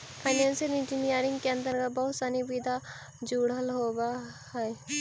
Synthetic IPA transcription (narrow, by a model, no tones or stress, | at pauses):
pʰaɪnẽːnsəlɪ̃nd͡ʒɪnijəɾɪ̃ŋɡkeə̃nd̪əɾkabəɦʊt̪sanibid̪ʱa | d͡ʒuːɽəlɦobahɛ